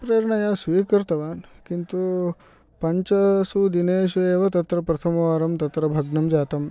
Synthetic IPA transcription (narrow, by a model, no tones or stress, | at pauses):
pɾɐːɾɳɐjaːsʋiːkɐɾt̪ɐʋaːnkint̪u | pɐɲt͡ʃɐsud̪ineːʃueːʋɐt̪ɐt̪ɾɐpɾɐt̪ʰɐmɐʋaːɾɐmt̪ɐt̪ɾɐbʱɐɡnɐmd͡ʒaːt̪ɐm